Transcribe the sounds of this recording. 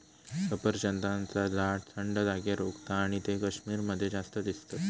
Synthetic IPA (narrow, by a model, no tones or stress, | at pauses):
kəpəɾd͡ʑənt̪ãnt͡sad͡zaʈ̚t̪ʰəɳɖəd̪aɡjaɾoɡt̪aːɽ̃it̪ekəɕmiːɾməd̪ʱːjed͡zast̪əd̪ist̪ə